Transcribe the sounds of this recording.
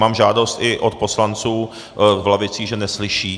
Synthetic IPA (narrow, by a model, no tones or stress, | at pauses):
maːmʒaːdo̞st̪ɪʔot̪̚po̞slant͡suː | vlavɪt͡siːʒɛnɛslɪʃiː